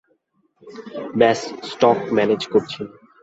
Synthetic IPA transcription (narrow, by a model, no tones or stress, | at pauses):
bɛssʈɔkmɛned͡ʑkoɾt͡ɕʰen